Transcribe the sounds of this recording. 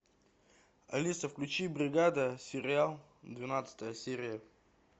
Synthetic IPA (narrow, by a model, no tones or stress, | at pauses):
ɐ̰lʲisəfklʲʉt͡ɕibɾʲɪɡad̪əsʲɪɾʲɪalˠ | d̪vʲɪnat̪sə̥t̪əjəsʲeɾʲɪjə